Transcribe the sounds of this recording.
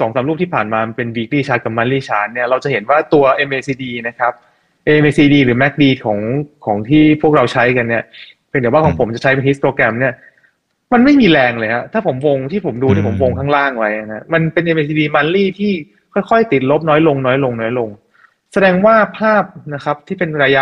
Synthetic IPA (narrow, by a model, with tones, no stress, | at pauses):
sɔː˩˦ŋsaː˨˩˦mluː˥˩t̪ʰiː˥˩pʰaː˨˩nmaː˧pe˧nwiː˦˥k̚liː˥˩t͡ɕʰaː˦˥t̚ka˨˩ma˧˦nliː˥˩t͡ɕʰaː˦˥nni˥˩ɐɾa˧wt͡ɕa˨˩ɦe˩˦nwaː˥˩t̪u˧ɐʔe˧mʔeː˧siː˧diː˧na˦˥kʰa˦˥p̚ | ʔeː˧mʔeː˧siː˧diː˧ɾɯː˩˦mɛ˦˥k̚diː˧˩t̪̚kʰɔː˩˦ŋkʰɔː˩˦ŋt̪ʰiː˥˩pʰu˥˩ək̚ɾa˧wt͡ɕʰa˦˥jka˧nːi˥˩ɐ˧ | ŋdi˩˦wa˥˩ɔː˩˦ŋpʰo˩˦mt͡ɕa˨˩t͡ɕʰa˦˥jpe˧nʰi˦˥s̚pɾoː˧kɾɛ˧mni˥˩ɐ | ma˧nma˥˩jmiː˧lɛː˧ŋlɤː˧jha˦˥t̪ʰaː˥˩pʰo˩˦mwo˧ŋt̪ʰiː˥˩pʰo˩˦mduː˧ni˥˩pʰo˩˦wo˧ŋkʰaː˥˩ŋlaː˥˩ŋwa˦˥ja˧˩a˦˥ma˧npe˧nʔe˧mʔe˧s̬i˧diː˧ma˧nliː˥˩t̪ʰiː˥˩ | kʰɔː˥˩jkʰɔ˥˩jt̪i˨˩t̪̚lo˦˥p̚nɔː˦˥jlo˧ŋnɔː˦˥jlo˧ŋnɔː˦˥jlo˧ŋ | sa˧dɛː˧ŋwaː˥˩pʰaː˥˩p̚na˦˥kʰa˦˥p̚t̪ʰiː˥˩pe˧nɾaː˧ja˦˥